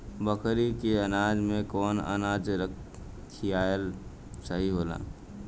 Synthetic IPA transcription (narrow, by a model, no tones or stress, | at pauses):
bəkɾikeənaːd͡ʒmẽkɔːnə̰naːd͡ʒɾəkʰː | ijaːəl | səɦiɦoːla̰ː